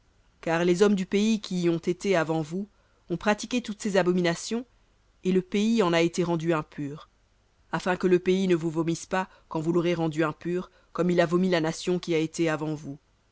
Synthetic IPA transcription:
kaʁlezɔmd̪ypeikʲiːɔ̃t̪et̪eavɑ̃vu | ɔ̃pχat̪ikʲet̪ut̪sezabɔminasjɔ̃ | eləpeiɑ̃naet̪eʁɑ̃d̪yɛ̃pyːʁ | afɛ̃kələpeinəvuvɔmispa | kɑ̃vuloʁeʁɑ̃d̪yɛ̃pyːʁ | kɔmilavɔmilanasjɔ̃kʲiaet̪eavɑ̃vu

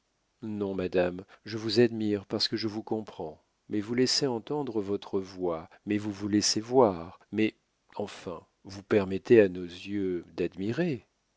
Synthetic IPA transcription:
nɔ̃mad̪amʒəvuzad̪miʁpaʁsə̥kəʒəvukɔ̃pχɑ̃ | mɛvulɛseɑ̃t̪ɑ̃d̪ʁəvɔt̪χəvwa | mɛvuvulɛsevwaʁmɛ | ɑ̃fɛ̰̃ | vupɛʁmɛt̪eanozjød̪ad̪miʁe

